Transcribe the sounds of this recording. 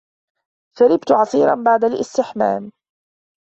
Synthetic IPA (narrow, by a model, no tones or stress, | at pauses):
faɾɪbt̪ʊʕɑsˤiːɾˤɑnbaʕd̪alʔɪst̪ɪħma̰ːm